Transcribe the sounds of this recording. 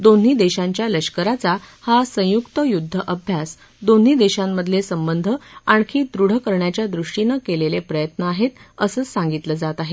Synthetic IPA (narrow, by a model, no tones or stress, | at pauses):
d̪on̤ːiːd̪eɕãɲt͡ɕjaləɕkəɾat͡sahasə̃jukt̪əjud̪ʱːəʔəbʱjas | d̪on̤ːiːd̪eɕamːəd̪ʱlesəmbənd̪ʱəaɳkʰiːd̪ɾuɽ̤əkəɾɳjat͡ɕjad̪ɾuʂʈinəkelelepɾəjət̪nəaɦet̪əsəːsãŋɡit̪ləd͡zat̪aɦe